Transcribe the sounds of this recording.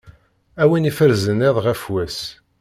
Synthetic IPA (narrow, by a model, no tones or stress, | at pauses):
æwinifəɾzəneðˤʁæfwæs